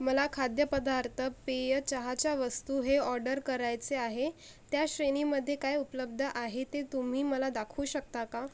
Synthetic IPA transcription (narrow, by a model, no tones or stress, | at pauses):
məlakʰad̪jəpəd̪aɾt̪ʰəpejət͡ɕəɦat͡ɕjaʋəst̪uːɦeɔɾɖəɾkəɾajt͡seaɦe | t̪jaɕɾeniməd̪ʱːjekajupələbd̪ʱəʔaɦet̪et̪um̤iːməlad̪akʰuːɕək̚t̪aka